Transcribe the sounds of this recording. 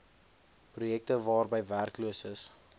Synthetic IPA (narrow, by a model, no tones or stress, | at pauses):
prujɛk̚təvɑːrbəjværkluəsəs